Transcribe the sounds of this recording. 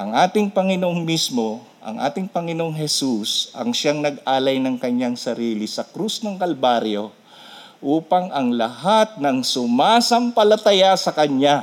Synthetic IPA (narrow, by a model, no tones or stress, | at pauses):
ʔɐŋʔaːt̪ɪŋpɐŋɪnoʔoŋmismo̞ | ʔɐ̰ŋʔa̰ːt̪ɪŋpɐŋɪnoʔoŋɦɛsusʔɐ̰ŋʃaŋnɐɡʔaːlɐjnɐŋkɐɲaŋsɐɾiːlɪsɐkɾusnɐŋkɐlbaɾjo̞ | ʔuːpɐŋɐŋlɐhat̪̚nɐŋsʊmaːsɐmpɐlɐt̪ɐjasɐkɐɲa